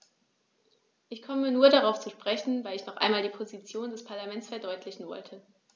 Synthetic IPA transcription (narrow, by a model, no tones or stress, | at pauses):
ʔɪçkʰɔmənuːɐɾaʁ̞aʊft͡suʃpʁ̥ɛçn̩vaɪlɪçnɔχʔa̰ɪnmaːldiːpʰozit͡sjoːndɛspʰaɐlamɛnt͡sfɛɐdɔʏtʰlɪçn̩vɔ̰ltʰə